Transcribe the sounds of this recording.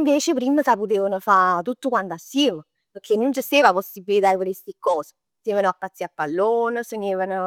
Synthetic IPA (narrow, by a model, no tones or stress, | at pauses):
ɱveːt͡ʃepɾimːəsaput̪eːvənəfat̪ut̪ːukwand̪asːiːmə | pəkʰenːund͡ʒəst̪eːvaposibːilit̪apəɾest̪ikːɔːsə̥ | st̪eːvanəapːat̪siapːalːoːnəsəɲeːvənə